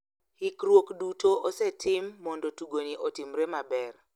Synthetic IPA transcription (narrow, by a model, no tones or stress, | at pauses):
hɪkrwokdutoʔosɛtʰɪmːɔndotuɡoniʔɔtɪmɾemabɛr